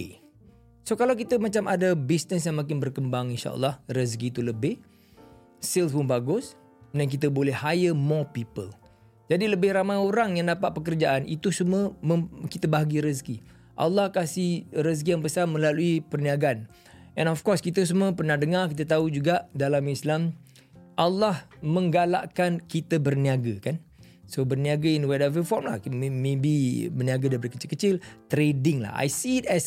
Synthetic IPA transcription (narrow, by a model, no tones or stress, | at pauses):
sokalawk̬it̪əmãt͡ʃamʔadabisnəs̬jaŋmakɪnbərkəmbaŋinʃa̰ʔə̰lːɑhrəs̬kit̪uləbɪh | sɪlpʊnbaɡʊs | nãŋk̬it̪̬əbolɛhhajəmɔpipəl | d͡ʒadiləbɪhramajoɾaŋjaŋdapat̪̚pəkərd͡ʒaʔanʔḭt̪usuməmə̃kit̪əbaɦaɡiɾəs̬ki | ʔa̰lːɑhkasihɾəs̬k̬ijaŋbəsanmə̃laluipərniaɡaan | ʔɛ̃nɔfkɔskit̪əs̬umə̃pərnahdəŋark̬it̪at̪̬aud͡ʒuɡaʔdalamislam | ʔalːahmə̃ŋɡala̰ʔkankit̪abərniaɡakan | sobərniaɡainwɛdavəfɔrmla̰hmẽbibərniaɡadabəɾəkət͡ʃɪlkət͡ʃɪlt̪ɾedɪŋla̰ha̰jsitɛs